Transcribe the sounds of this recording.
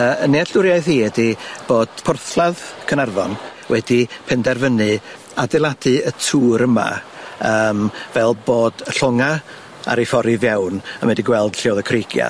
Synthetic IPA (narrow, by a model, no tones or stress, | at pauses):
əəneaɬʊɾjajθhiːɛdib̥oːd̥pʰʊrθlˠaðkʰənarvɔnwɛdipʰɛndɛrvənɨ | adɛlˠadɨətʰuːɾəma̰əːmvɛlˠboːd̥əɬɔŋa | a̰ɾefɔɾɪvjawnəmɛdiɡwɛlˠd̥ɬɪwðəkʰreɡ̥ja̰